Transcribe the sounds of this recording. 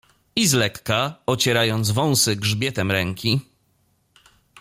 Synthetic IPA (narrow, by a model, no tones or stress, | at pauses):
izlɛkːaɔt͡ɕɛɾajɔnd̪zvɔ̃w̃sɘɡʐbʲjɛt̪ɛmɾɛŋkʲi